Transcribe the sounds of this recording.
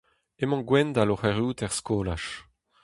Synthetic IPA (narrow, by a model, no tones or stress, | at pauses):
emɑ̃ɡwɛnd̪aloχɛʁjuːt̪ɛʁskoːlaʃ